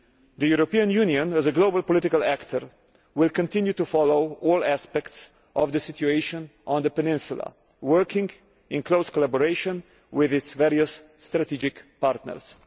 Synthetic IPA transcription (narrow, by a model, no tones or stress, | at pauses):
d̪əjuɾɔpiãnjuniɔ̃næzəɡlobəlˠpɔlɪtɪkalækt̪ʰəɾ | wɪlkɔ̃nt̪ɪ̃njut̪ufɔloʊɔːlæspɛkts | ʔɔvd̪əsɪtjueɪʃɔ̃nʔɔ̃nd̪əpɛnɪ̃nsula̰ | wɜɾkɪ̃ŋɡ | ɪ̃nkloʊskɔlabɔɾeɪʃɔ̃n | wɪðɪtsvɛɾiəsː | tɾatid͡ʒɪkpaɾt̪nə̰ɾs